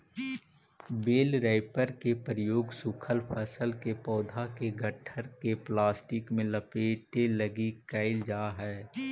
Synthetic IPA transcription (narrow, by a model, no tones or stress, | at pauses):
beːlɾɛːɪpəɾkepɾəjoːɡsʊkʰəlpʰəsəlkepɔːd̪ʱakeɡəʈʰəɾkeplaːsʈɪkmẽləpeːʈeləɡikəɪld͡ʒaːɦɛː